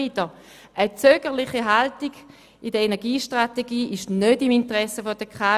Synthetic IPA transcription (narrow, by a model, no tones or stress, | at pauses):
idə | ʔət͡søːɡ̥əʁlɪχiɦaltiɡ̥ | idəenɛɐɡiːʃtʁateɡiːʔɪʃnødimintəʁɛsəfod̥əkʰa